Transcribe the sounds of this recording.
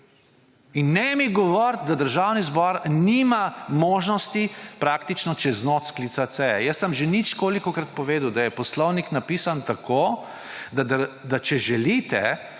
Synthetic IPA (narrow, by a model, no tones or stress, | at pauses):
inːɛmiɡɔʋɔɾt̪̚d̪ad̪əɾʒawnizbɔːɾnimamoːʒnɔst̪ipɾaːk̚t̪it͡ʃnɔt͡ʃɛznot̪sklit̪sat̪sɛjɛ̰jəsəmʒenit͡ʃkoːlikɔkɾat̪̚pɔʋeːd̪əwd̪ajɛpɔslɔwniknapiːsant̪akʰo | d̪ad̪əd̪at͡ʃɛʒɛlit̪ɛ